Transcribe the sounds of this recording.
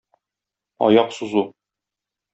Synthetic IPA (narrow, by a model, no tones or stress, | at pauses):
ɒ̰jɑqsuzu